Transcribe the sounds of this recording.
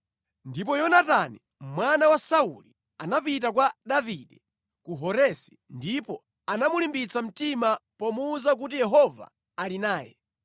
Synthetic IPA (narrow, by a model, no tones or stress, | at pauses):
ndip̬ɔjɔnatani | mwanawasauli | anapit̬ak̬waɗaviɗɛ | kuɦɔɾɛsi̥ndipɔ | anamulimbit͡sam̩timapɔmuːzak̬ut̬ijɛɦɔva̰ː | linaːjɛ̰